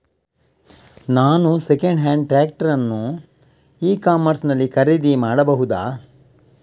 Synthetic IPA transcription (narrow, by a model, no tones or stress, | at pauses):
naːnusekɐɳɖɦaːɳɖ̚ʈɾaːk̚ʈɐɾɐnːu | iːkaːmɐɾsnɐlːikɐɾid̪imaːɽɐbɐɦud̪aː